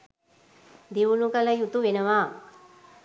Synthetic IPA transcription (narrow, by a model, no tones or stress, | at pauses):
d̪iʋulukələjut̪uʋenəʋaː